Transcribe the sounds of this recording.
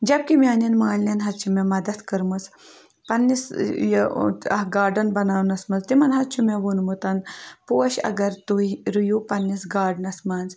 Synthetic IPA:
d͡ʒɐb̚kimʲaːnɐnmaːlnʲɐnɦɐtt͡ʃʰumemɐd̪ɐt̪kəɾmɐs | pɐnːisjɐ̰ɦɡaːɾɖɐnbɐnaːwnɐsmɐzt̪imɐnɦɐt̪̚t͡ʃʰumeʋunmut̪ɐnpoːɐʃɐ̰ɡɐɾt̪uiɾujupɐnːisɡaːɖnɐsmaːnz

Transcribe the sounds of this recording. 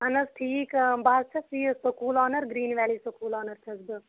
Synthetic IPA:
ɦɐnɐsʈʰiːkbaːzt͡ʃʰɐsiːsɐkuːlɔːnɐɾɡɾiːnʋɛːlisɐkuːlɔːnɐɾt͡ʃʰɐzbɨ

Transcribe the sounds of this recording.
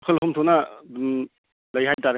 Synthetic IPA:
kʰəlɦumtʰona | lɐjɦajtaɾ

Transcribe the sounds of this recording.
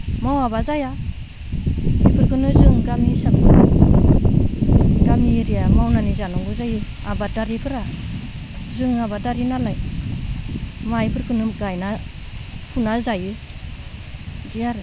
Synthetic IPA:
mawabazaja | ipʰɯɾkʰɯnɯzɯŋɡamisak | ɡamiɾijamawnanizanɔŋɡɯzajɯ | abadaɾikʰɯɾa | zɯŋabadaɾinalaj | maipʰɯɾkɯnɯɡajna | pʰunazajɯ | dijaɾ

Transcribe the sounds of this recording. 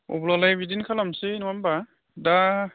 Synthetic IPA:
ɔ̰bulalajbidinkʰalamsinuwamba | da

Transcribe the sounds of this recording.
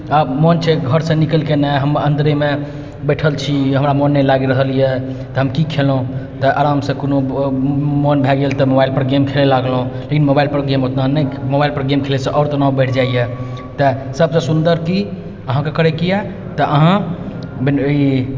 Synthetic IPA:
amɔnt͡ʃʰɛɡʱəɾsə̃nikəlkenaɦəmənd̪ɾeme | bəʈʰəlt͡ʃʰiɦəmɾamɔnːɛlaɡiɾəɦəlijɛ | t̪ɔɦəmkikʰelũt̪ɔʔa̰ɾamsə̃kono | mɔnbʱɛɡelt̪ɔmobailpəɾɡemkʰelelaɡlɦũlekinmobailpəɾɡemot̪nanəjmobailpəɾɡemkʰelesə̃ʔɔʊɾt̪ənaubəɪʈʰd͡ʒaije | t̪ɔsəbsə̃sund̪əɾki | əɦãkekəɾekija | t̪ɔʔəɦãbi

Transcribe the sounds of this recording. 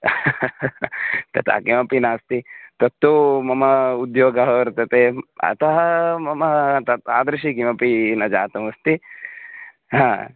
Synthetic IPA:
t̪ɐt̪ʰa̰ːkimɐpinaːst̪it̪ɐt̪ːumɐmɐud̪joːɡɐɦɐʋɐɾt̪ɐt̪eɐ̰t̪ɐɦɐmɐmɐt̪ɐt̪aːd̪ɾɐʃikimɐpinɐd͡ʒaːt̪ɐmɐst̪i | ɦãː

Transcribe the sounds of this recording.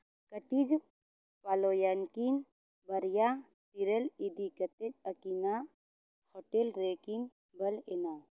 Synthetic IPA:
kəʈid͡ʒ | paloːjankin | bɐɾja | t̪iɾəlid̪ikɐt̪eɐkina | hoʈelɾeːkin | bɐlena

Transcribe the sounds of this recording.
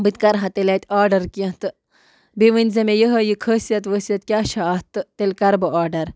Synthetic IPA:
bɨt̪kɐɾɦɐt̪elʲɐt̪ʲaːɖɐɾkiɐ̃t̪ɨ | beʋənʲzɐmejəɦɐjikʰəːsijɐt̪ʋəsijɐt̪̚kʲaːʃaːt̪ɨt̪elʲkɐɾbɨʔaːɖɐɾ

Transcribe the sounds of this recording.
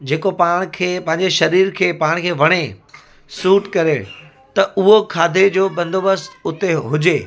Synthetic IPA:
d͡ʑeːkopaːɽ̃kʰeːpɐ̃ɦɪ̃ɲd͡ʑeʃɐɾiːɾkʰeːpaːɽ̃kʰeːʋɐɽ̃e | suːʈkɐɾe | t̪ɐʔʊɦokʰaːd̪ʱed͡ʑoːbɐ̃nd̪ʱobəst̪ʊt̪eɦʊd͡ʑeː

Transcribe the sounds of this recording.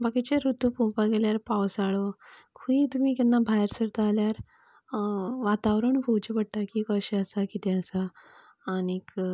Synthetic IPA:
bakit͡ɕeɾut̪upũpaɡeljaɾpawsaɭokʰuĩt̪um̤iːkɛnːabʱajɾsəɾt̪ːljaɾ | ʋat̪aʋɾəɳbʱowt͡ɕepəɽʈakikəɕeəsakit̪ʰɛ̃əsaː | nik

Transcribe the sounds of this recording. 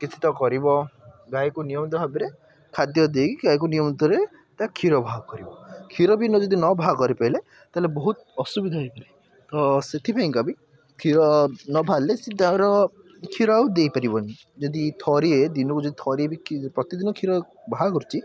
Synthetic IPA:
kit͡ʃʰi̥t̪ɔkɔɾibɔɡajkunijɔmɔt̪ɔɦabiɾe | kʰad̪jɔd̪ekiɡajk̬unijɔmt̪ɔɾe | t̪akʰiɾɔbʱaɔkɔɾibɔkʰiɾɔbinɔd͡ʒɔd̪inɔbʱakɔɾipaile | t̪alebɔɦut̪̚ɔsubid̪ʱajpaɾi | ɔset̪ʰipʰeŋkabi | kʰiɾɔnɔbʱalesid̪ʱãɾɔ | kʰiɾawd̪ejpaɾibɔni | d͡ʒɔd̪it̪ʰɔɾied̪inɔkud͡ʒɔd̪it̪ʰɔɾiebikpɾɔt̪id̪inɔkʰiɾɔ | bʱaɦkɔɾt͡ʃʰi

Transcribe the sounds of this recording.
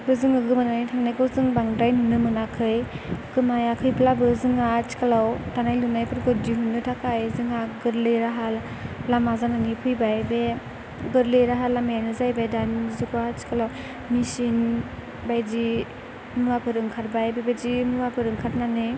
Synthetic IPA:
bɯzɯŋɯɡɯmananijtʰaŋnakɯwzɯŋbaŋdajnunːɯmɯnakʰɯjɡɯmajakʰɯjplabɯzɯŋat͡ʃi̥kalawtanajlunajpʰɯɾɡɯɾ̚diɦunːɯtʰakajzɯŋaɡɯɾlɯjɾaɦalː | amazananipʰɯjbajbe | ɡɯɾlɯjɾaɦalːamajanɯzajbajdanizikuat͡ʃi̥kalaw | misin | bajd͡ʒi | muapʰɯɾɯŋkʰaɾ̚bajbebad͡ʒimuapʰɯɾɯŋkʰat̚nanɯ

